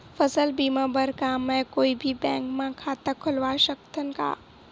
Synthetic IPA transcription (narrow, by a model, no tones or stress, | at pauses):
fɐsəlbiːmãːbəɾkaːmɛ̃koːibʱibɛ̃ːŋkmãkʰaːt̪akʰʊlʋaːʃəkt̪ʰənɪ̆ka̰ː